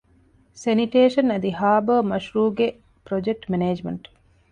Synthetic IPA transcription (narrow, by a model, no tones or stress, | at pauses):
seniʈeːʃɐnɐd̪ihaːbəːmɐʃɾuːɡe | pɾod͡ʒek̚ʈmeneːd͡ʒmɐ̰ɳʈ